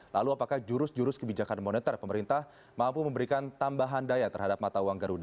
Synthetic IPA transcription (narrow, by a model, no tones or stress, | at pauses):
la̰luapakahd͡ʒuɾʊsd͡ʒuɾʊskəbid͡ʒakanmonɛt̪ərpəməɾint̪ah | mampuməmbəɾikant̪ambaɦandajat̪ərɦadap̚mat̪awaŋɡaɾuda